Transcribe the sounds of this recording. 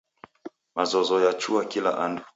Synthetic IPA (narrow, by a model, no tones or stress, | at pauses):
mazɔzɔjat͡ʃuakila̰ʔandu